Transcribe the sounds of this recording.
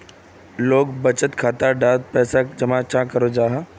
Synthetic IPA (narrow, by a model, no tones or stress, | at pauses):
loːɡbɐt͡ʃət̪kʰaːt̪aɖaːd̪̚pɛːsad͡ʒɐmãt͡ʃãkɐɾod͡ʒaːɦa